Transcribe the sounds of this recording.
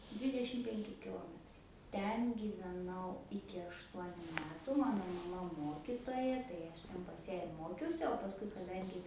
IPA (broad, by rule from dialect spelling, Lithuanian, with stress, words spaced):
ˈdʲʋʲiːdʲɛʃʲɪm ˈpʲɛŋʲkʲɪ kʲɪˈlˠoːmʲɛtrɐɪ ˈtʲɛn ɡʲiːʋʲɛˈnɐʊ ɪkʲɪ ɐʃˈtuɔnʲʊ ˈmʲæːtʊ ˈmɑːnoː mɐˈmɐ ˈmoːkʲɪtoːjɛ tɐɪ ɐʃ tʲɛn pɐs jæː ɪr ˈmoːkʲɛʊsʲɪ oː pɐsˈkʊɪ kɐˈdɐŋʲɡʲɪ